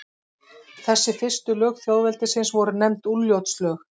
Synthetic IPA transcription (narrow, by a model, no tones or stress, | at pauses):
θɛsːɪfɪr̥st̪ʏlœːɣθjaːwðvɛlt̪ɪsɪnsvɔɾʏnɛmt̪ulːjowt̪slœːx